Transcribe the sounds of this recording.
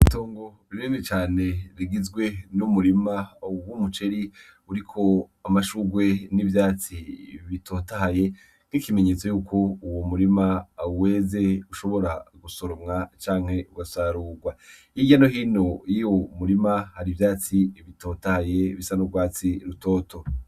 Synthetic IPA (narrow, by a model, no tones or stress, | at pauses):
itoːŋɡo | iɾiːmit͡ʃaːne̞ɾiɡizɡwe̞numuɾimaɡumut͡ʃeɾi | uɾikʰo̞amaʃuɡwe̞nivjaːt͡siβitʰoːtaɦaje̞ | n̥ikime̞ɲe̞t͡so̞juːkʰo̞uwomuɾimawe̞ːze̞uʃo̞βo̞ɾaɡusoɾomŋat͡ʃaːŋhe̞ʔuɡasaɾuːɡwa | iɟanoɦiːno̞jijomuɾimahaɾivjaːt͡siβito̞ːtahajeβisanoɡwaːt͡siɾuto̞ːtʰo̞